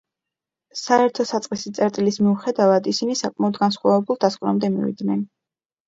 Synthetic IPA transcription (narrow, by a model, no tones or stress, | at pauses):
saɛɾt̪ʰɔsat̪sʼqʼisit̪sʼɛɾt̪ʼilismiuχɛd̪avad̪isinisakʼmaɔd̪ɡansχwavɛbulˠd̪askʼvɾamd̪ɛmḭvḭd̪nɛn